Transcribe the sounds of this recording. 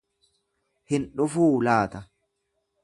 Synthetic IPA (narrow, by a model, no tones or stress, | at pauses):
hɪnᶑʊfuːlaːt̪ɐ